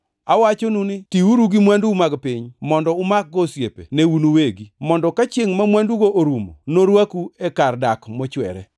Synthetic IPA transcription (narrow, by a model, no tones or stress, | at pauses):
awat͡ʃonunɪtiuɾuɡimwandumaɡpɪɲmɔndɔʊmak̚ɡosjepeneunuweɡimɔndɔkat͡ʃeŋmamwanduɡoʔoɾumo̰noɾwakuekardakmot͡ʃwɛ̰ɾɛ̰